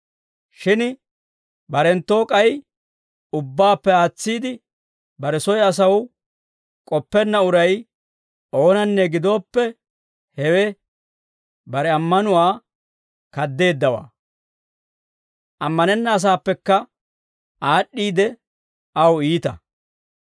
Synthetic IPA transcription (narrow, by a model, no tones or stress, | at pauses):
ʃɪn | bɐɾɛnt̪ːo̞ːkʼɐj | ʊbːaːpːɛaːt͡sːiːd̪ɪ | bɐɾɛsɔjɐs̬ɐw | kʼɔpːɛnːɐʊɾɐj | ʔo̞ːnɐnːɛɡɪd̪o̞ːpːɛ | hɛwɛ | bɐɾɛɐmːɐnʊwaː | kɐd̪ːe̞ːd̪ːɐwa̰ː | ʔɐmːɐnɛnːɐːs̬aːpːɛkːɐ | ʔaːɗːiːd̪ɛ | ɐwiːt̪ɐ̰